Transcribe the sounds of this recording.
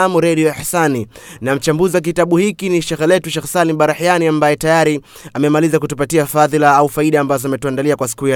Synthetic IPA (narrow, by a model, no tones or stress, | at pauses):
amuɾaɗiɔahsaninam̩t͡ʃambuziwak̬itaɓuhikiniʃɛxlɛtuʃɛxsaliɓaɾahjaniambajɛtajaɾi | amɛmalizakutupatiafaðilaaufaiɗaːmbazɔamɛtuandaliakwasi̥kuja